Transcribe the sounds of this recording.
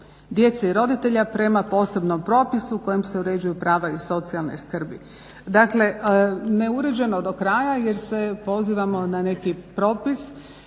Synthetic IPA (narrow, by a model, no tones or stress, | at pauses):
d̪je̞t̪seiɾo̞d̪it̪e̞ʎapɾe̞mapo̞ːse̞bnompɾo̞ːpisuːko̞jemse̞uɾe̞d͡ʑujupɾaːʋaiso̞t̪sialnḛskr̩bi | d̪akle̞ʔne̞uɾe̞d͡ʑuje̞nod̪o̞kɾajaje̞ɾse̞po̞ziːʋamo̞nane̞kipɾo̞ːpis